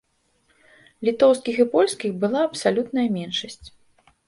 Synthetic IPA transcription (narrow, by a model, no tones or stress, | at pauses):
lʲit̪ɔwskʲixipɔlʲskʲixbɨlˠaɐpsalʲut̪nɐjɐmʲɛnʂɐsʲt͡sʲ